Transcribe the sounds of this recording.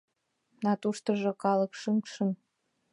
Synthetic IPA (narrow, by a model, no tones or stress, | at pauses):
nɑt̪uʃt̪ɤ̆ʒŏkɑlɤ̆kʃəŋʃən